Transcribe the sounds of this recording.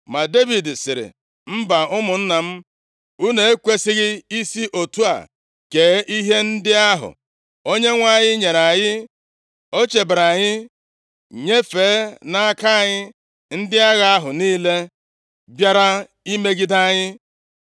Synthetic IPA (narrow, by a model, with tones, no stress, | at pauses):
ma˨de˦vi˨dsɪ˨ɾɪ̰˨ | m̩˦ba˨ʊ˦mʊ˨n̩˦na˨m̩˦ | u˦ne˨˦e˦kʷe˦sɪ˦ɣɪ˦i˦si˦ʔo˨tu˦a̰˨ | ke˨˦ʔi˦ɦe˦n̩˦dɪ˦a˦ɦʊ̰˨ | o˦ɲe˦ŋʷa˦˨ɲɪ˦ɲe˨ɾa˨ɲɪ˦ | o˦t͡ʃe˨bɾa˨ɲɪ˦ | ɲe˦fe˨˦na˦a˦ka˦a˨ɲɪ˦ | n̩˦dɪ˦a˦ɣa˦a˦ɦʊ˨niː˦le˦ | bja˦ɾa˦ | i˦me˦ɡi˦da˦ɲɪ˦